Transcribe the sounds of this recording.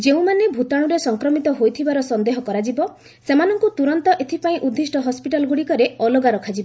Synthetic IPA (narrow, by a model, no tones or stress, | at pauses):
d͡ʒeũmanebʱut̪aɽ̃uɾesɔŋkɾɔmit̪ɔɦojt̪ʰibaɾɔsɔnd̪eɦɔkɔɾad͡ʒibɔ | semanɔŋkut̪uɾɔnt̪ɔʔet̪ʰipaĩʔud̪ʱːisʈɔɦɔspiʈalɔɡuɽikɔɾeɔloɡaɾɔkʰad͡ʒibɔ